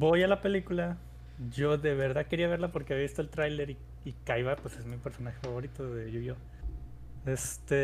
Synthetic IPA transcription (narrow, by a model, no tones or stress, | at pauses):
bo̞jalape̞likula | ʝo̞ðe̞βeɾðaðke̞ɾiaβ̞e̞ɾlapo̞ɾkeaβiaβist̪oelt̪ɾajle̞ɾi | ikajβapwese̞zmipe̞ɾso̞naxe̞faβo̞ɾit̪oðeʝujo | est̪e